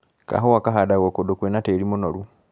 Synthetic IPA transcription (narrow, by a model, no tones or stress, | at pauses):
ka̰ɦowakaɦadaɣokodokwenateɾimonoɾu